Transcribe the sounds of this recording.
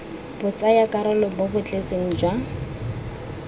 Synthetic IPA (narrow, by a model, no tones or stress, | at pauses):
b̥ʊt͡sʼajakʼaɾɔlɔbʊbʊt͡ɬʼet͡sʼeŋ̩d͡ʒwa